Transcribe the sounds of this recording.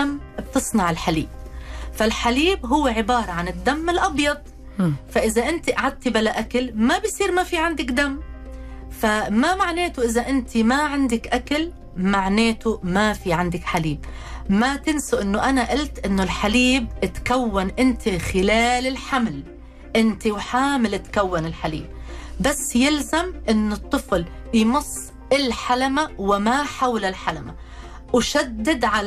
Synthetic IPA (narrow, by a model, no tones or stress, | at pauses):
amː | bt̪ɨsˤnɑʕɪlħalḭːb̚falħaliːbɦʊwːeʕɪbɑːɾˤɑʕanɪd̪ːamːɪlʔɑbjɑd̪̚ˤ | faʔɪzaʔɪnt̪iʔaʕad̪̚t̪ibalaʔakalmabɪjsˤiːɾmafiːʕand̪ɪkd̪amː | famamaʕneːt̪ʊʔɪzaʔɪnt̪ʰimaʕand̪ɪkʔakal | maʕneːt̪ʊmafiʕand̪ɪkħaliːb | mat̪ɪnsʊʔɪnːʊʔanaʔalt̪ʔɪnːʊlħaliːb̚ʔɪt̪kawːanʔɪnt̪ʰixɪlaːlɪlħaml | ʔɪnt̪iwħaːmɪlʔɪt̪kawːanɪlħalḭːb̚basːjɪlzamʔɪnːʊt̪ˤːɨfljmʊsˤː | ɪlħalamawɪmaħawlɪlħalama | wʃad̪ːɪd̪ʕal